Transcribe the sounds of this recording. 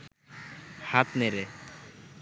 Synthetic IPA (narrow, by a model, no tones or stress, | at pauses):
hat̪neɾe